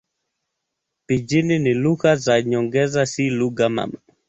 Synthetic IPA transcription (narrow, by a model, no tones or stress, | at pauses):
pid͡ʒininilukazaɲɔŋɡɛzasiluɡama̰ma